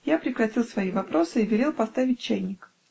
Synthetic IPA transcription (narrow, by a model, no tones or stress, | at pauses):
japɾʲɪkɾɐtʲilˠsvɐivɐpɾo̞sɨivʲɪɾʲe̞lˠpɐst̪avʲɪt̚ʲt͡ɕːæjnʲɪk